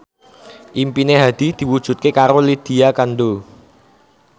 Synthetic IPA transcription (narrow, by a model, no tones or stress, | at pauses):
ʔimpineɦad̪̥i̤d̪̥i̤wud̥ʒ̥ṳt̪̚kekaɾolid̪̥i̤akanɖo